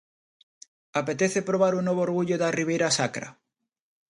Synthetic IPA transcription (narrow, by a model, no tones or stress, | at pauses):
apet̪eθepɾoβ̞aɾunːoβoːɾɣuʎoðariβ̞ejɾasakɾa̰